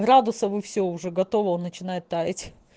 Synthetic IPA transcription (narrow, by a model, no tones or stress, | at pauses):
ɡɾad̪ʊsəvɨfsʲoʊʐɛɡɐt̪o̞vəonːət͡ɕɪnajɪt̪ːajɪtʲ